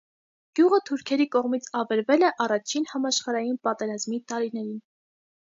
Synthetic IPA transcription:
ɡ̥juʁət̪ʰuɾkʰɛɾikɔʁmit͡sʰɑvɛɾvɛlɛʔɑrɑt͡ʃʰinhɑmɑʃχɑɾɑjinpɑt̪ɛɾɑzmit̪ɑɾinɛɾin

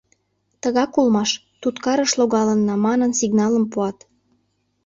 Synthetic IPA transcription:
t̪əɣɑkulmɑʃ | t̪ut̪kɑɾəʃloɣɑlənːɑmɑnənsiɣnɑləmpuɑt̪

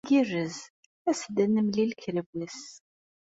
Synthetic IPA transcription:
ɡirːəz | æsd̪ənːəmlilkɾəvəs

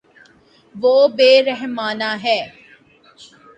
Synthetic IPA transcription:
ʋoːbeːɾɛɦmaːnaɦɛː

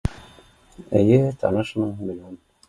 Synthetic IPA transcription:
ɘ̰jɘt̪ʰɑ̰nɤʃməŋmʲɪlʲon

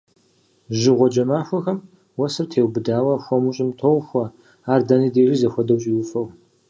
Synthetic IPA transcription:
ʒɪʁʷɔd͡ʒɐmaːxʷɔxɐm | wɐsɨrtʰeːwbɨdaːwɐxʷɔmʊɕʼɪmtʰowxʷɐ | aːrdaniːdeːʒizɐxʷɔdɐwɕʼiwʊfɐw

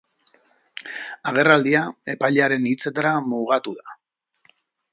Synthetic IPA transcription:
aɣ̞e̞rald̪iae̞pajʎaɾe̞nit͡se̞t̪aɾamuɣat̪uða

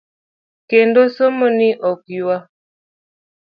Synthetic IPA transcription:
kendosomoniʔɔkjwa

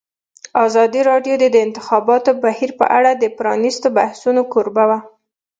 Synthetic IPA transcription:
ɑzɑd̪iɾɑɖjod̪ed̪əɪnt̪ɪxɑbɑt̪obahiɾpə̰ʔaɽad̪əpɾɑnist̪obahsunokoɾbawa

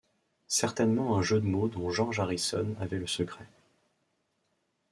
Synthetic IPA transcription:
sɛʁt̪ɛnmɑ̃ɛ̃ʒød̪əmod̪ɔ̃ʒɑ̃ʁʒaʁisɔnavɛləsəkʁɛ

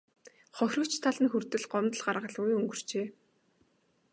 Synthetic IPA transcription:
χɔxʲrɞ̆kt͡ɕt̪ʰaɮə̆nxur̥t̪ɘ̆ɮɢɔmt̪ə̆ɮɢaɾrʁə̆ɮujɵŋɡɵ̆r̥t͡ɕeː

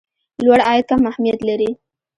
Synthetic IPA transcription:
lwaɽɑjad̪̚kamahmijat̪laɾi

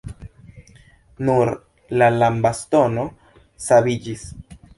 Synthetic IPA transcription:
nuɾ | lalambasto̞no̞ | saβid͡ʒis

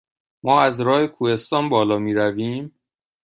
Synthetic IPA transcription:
mɒːæzɾɒːhekʰuːhe̞st̪ɒːnbɒːlɒːmiːɾæviːm

